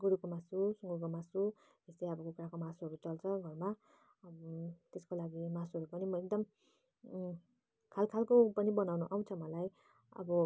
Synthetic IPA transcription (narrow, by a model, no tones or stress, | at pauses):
ɡuɽukomasusuŋɡuɾkomasu | est̪eʌbʌkokuɾakomasuɦʌɾut͡sʌlt͡sʰʌɡʱʌrma | t̪eskolaɡimasuɦʌɾupʌnimʌek̚d̪ʌm | kʰalkʰalkopʌnibʌnawnuʔaw̃t͡sʰʌmʌlaj | ʌ̰bʌ